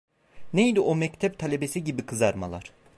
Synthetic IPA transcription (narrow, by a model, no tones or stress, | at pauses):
nejd̪iʔomɛct̪ʰɛp̚t̪ʰalʲebesiɟibikʰɯzaɾma̰lˠaɾ̥